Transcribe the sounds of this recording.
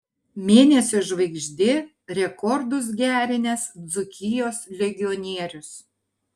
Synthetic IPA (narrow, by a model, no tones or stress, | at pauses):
mʲeːnʲɛsʲʊʒʋɐɪɡʒʲd̪ʲɪ | ɾʲɛkɔɾd̪ʊs̬ɡʲæːɾʲɪnʲɛsd̪zʊkʲɪjoːslʲɛɡʲɪɔnʲiɛɾʲʊs